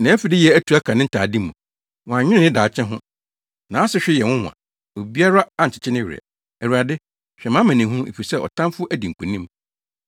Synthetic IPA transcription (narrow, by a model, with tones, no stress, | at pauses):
nã˨˦fi˨dɪ˦jɛ˨æ˦tʰu˨æ˦kʰã˨nɪ̃˦n̩˦tʰaː˨di˦mũ˨ | wɔ̃˨ã˨ɲᶣɪ˦ɪ̃˦nɪ̃˦daː˨t͡ɕʰɛ̃˦ɦʊ̃˦ | nã˨˦sɪ˦ɕᶣɪ˦jɛ˨wʊ̃˦hʊ̃˨ã̰˨ | o˨bi˦a˦ɾa˦a˦ɲ̩˨t͡ɕʰɪ̥˨t͡ɕʰɪ˦nɪ̃˦ɥɪ˨ɛ̰˨ | ɛ˨ɾu˨a˨dɪ˦ | ɕᶣɛ˨mã˦mæ̃˨nĩ˨ɦũ˦ḛ˨fi˨sɛ˦ʔɔ̰˨tʰã˦mfʊ˦ʔæ˦di˨ŋ̩˨kʰũ˨nĩ˦m